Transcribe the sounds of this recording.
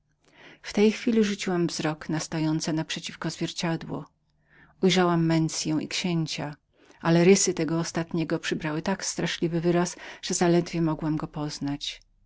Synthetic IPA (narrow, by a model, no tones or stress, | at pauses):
ft̪ɛjxfʲilʲiʐut͡ɕiwamvzɾɔknast̪ɔjɔnt̪sɛnapʂɛt͡ɕifkɔzvʲjɛɾt͡ɕad̪wɔ̰ | ujʐawamːɛnsʲjɛ̃w̃ʔḭkɕeɲt͡ɕa | ʔalɛɾɘsɘt̪ɛɡɔːst̪at̪ɲɛɡɔpʂɘbɾawɘt̪akst̪ɾaʂlʲivɘvɘɾasʐ̥ɛzalɛd̪vʲjɛmɔɡwamɡɔpɔznat͡ɕ